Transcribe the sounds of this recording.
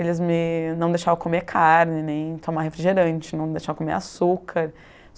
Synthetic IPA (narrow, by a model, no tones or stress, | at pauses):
elɪzmɪnɐ̃w̃d̪ejʃaɾɐ̃w̃kʰomekʰaɾnɪnẽj̃t̪ʰomaɦefɾiʒeɾɐ̃nt͡ʃɪnɐ̃w̃d̪ejʃaɾɐ̃komḛɾasukʰaɾ